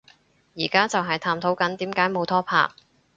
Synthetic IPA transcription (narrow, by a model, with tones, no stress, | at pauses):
jiː˨˩kaː˥t͡sɐ˨wɦɐ˨jt̪ʰaː˧mt̪ʰo˨˥wkɐ˨˥nt̪iː˨˥mkaː˨˥jmo˨˧wt̪ʰɔː˥pʰa̰ː˧k̚